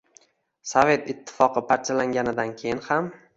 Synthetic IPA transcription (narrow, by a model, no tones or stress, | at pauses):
sove̞t̪ɪt̪ʰːɪ̥fɒqɨpʰaɾt͡ʃʰalaŋɡʲanɪd̪ankʲʰejɪnham